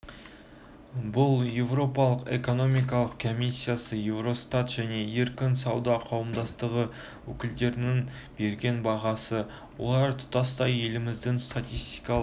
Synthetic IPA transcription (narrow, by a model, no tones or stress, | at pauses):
bʊlˠje̞vro̞pɑlˠəqe̞̰ko̞no̞mijk̬ɑlˠəq̚kʰo̞misʲːijasəje̞vɾo̞st̪at̪ʒ̥æne̞e̞ɾkʲɪnsɑwd̪ɑqʰɑwəmd̪ɑst̪əʁə | wɵ̰kʲɪld̪e̞ɾɪnɪŋ | be̞ɾɡʲe̞nbɑʁɑsə | wo̞̰lˠɑɾt̪ʰʊ̥t̪ɑst̪ɑje̞lɪmɪzd̪ɪŋst̪at̪ʲijst̪ijkɑlˠ